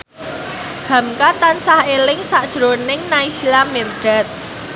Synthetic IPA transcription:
ha̤mkat̪ansahelɪŋsaʔd̥ʒ̥ɾonɪŋnaisilamerɖ̥a̤t̪̚

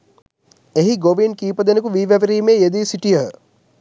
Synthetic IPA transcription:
eɦiɡoʋinkiːpəd̪enəkuʋiːʋæʋɾiːmeːjed̪iːsiʈijə

